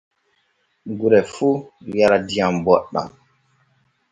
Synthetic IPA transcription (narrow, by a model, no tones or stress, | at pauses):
ɡuɾɛfujaɾadiãmbɔɗã̰m